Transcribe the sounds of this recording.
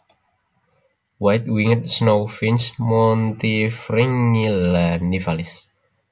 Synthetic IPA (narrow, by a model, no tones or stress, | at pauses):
wajt̪̚wiŋət̪̚snowfinsmɔnt̪ifɾiŋilanifalis